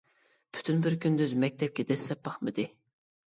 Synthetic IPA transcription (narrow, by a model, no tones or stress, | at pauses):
pʰy̥t̪ʰynbɪɾkʲʰynd̪yzmɛk̚ʲt̪ʰɛp̚kʲɛd̪ɛslːɛp̚bɑχmɨd̪ɨ